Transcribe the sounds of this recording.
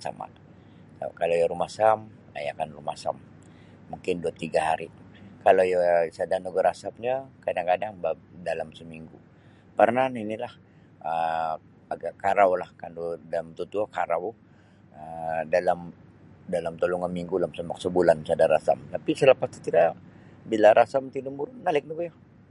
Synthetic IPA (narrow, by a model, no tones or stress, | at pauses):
t͡ʃa̰ma̰n | a̰kalajaɾumasam | a̰ja̰kanrumasa̰mː | uŋkɪnduat̪ːiɡaɦaɾikalojasadanuɡəɾasap̚ɲakadaŋkadaŋbadalamsəmiŋɡu | parnaninilah | ə | aɡakaɾawlahkandudalamt̪ut̪uakaɾaw | ədalam | dalamt̪oluŋanmiŋɡulamsəmak̚səbulansadaɾa̰sa̰mt̪apisələpast̪u̥t̪idabilaɾasamt̪inumbunalɪk̚dubja